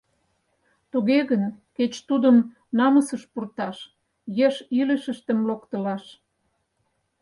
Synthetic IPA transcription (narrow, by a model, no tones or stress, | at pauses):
t̪uɣeɣənket͡ɕt̪ud̪əm | nɑməsəʃpurt̪ɑʃ | jeʃiləʃə̆ʃt̪ə̆mlokt̪ə̆lɑʃ